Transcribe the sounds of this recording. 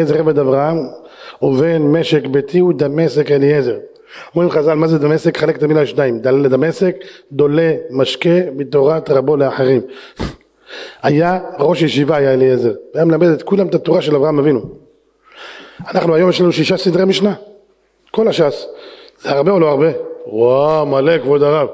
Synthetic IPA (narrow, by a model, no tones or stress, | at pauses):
ezeʁeved̪avʁaham | ovenmeʃekbet̪ʰiud̪amesekelijezeʁ | omʁimχazalmazed̪amesekχalekt̪amilaʃnaimd̪aled̪amesekd̪o̞le̞maʃkemit̪oʁat̪ʁabo̞leaħeʁim | hajaʁo̞ʃjeʃivaajaeliezeʁveajamelamed̪et̪kulamet̪at̪uʁaʃelavʁaamavinu | anaχnuajo̞mjʃlanuʃiʃasid̪ʁemiʃna | ko̞laʃasz̥eaʁbe̞oloaʁbe̞wamalekvod̪aʁav